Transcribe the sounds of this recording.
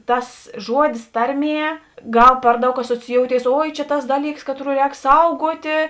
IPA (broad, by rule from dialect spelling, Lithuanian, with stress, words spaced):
ˈtɐs ˈʒuɔdʲɪs ˈtɐrʲˌmʲiɛ ˈɡɐlˠ ˈpɐr ˌdɐʊk ɐsoːt͡sʲɪˈjoːʊtʲeːɪs ˈoːɪ t͡ʃʲɛ tɐs ˈdɑːˌlʲiːks ˈkɑːtˌruː ˈrʲɛːk ˈsɐʊɡuɔtʲeː